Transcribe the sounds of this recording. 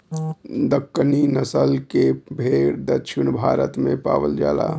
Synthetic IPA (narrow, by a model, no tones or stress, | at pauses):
d̪əkːəninəsəlkebʱeɽd̪ət͡ʃʰɪnbʱaːɾət̪mẽpa̰ːʋəld͡ʒa̰ːla̰